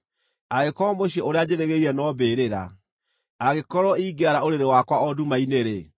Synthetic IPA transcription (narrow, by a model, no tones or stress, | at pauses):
aɣekɔmoɕiɔoɾead͡ʑeɾeɣeiɾɛnɔbeːɾeɾa̰ | aɣekɔɾɔiːɡeaɾaoɾeɾewakwaɔdumaineɾe